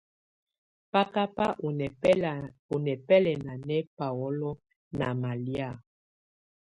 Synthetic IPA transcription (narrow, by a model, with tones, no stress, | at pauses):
pa˦ka˦pa˦˨˦ | o˨nɛ˨pɛ˦lɛ˨na˨nɛ˦pa˨ɔ˦lɔ˦ | na˨ma˨lja˦˨